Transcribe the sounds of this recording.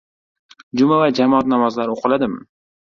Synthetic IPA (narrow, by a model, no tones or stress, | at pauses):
d͡ʒʊmavad͡ʒamɒɒt̪̚namɒzlaɾoqʰɨlad̪ɪm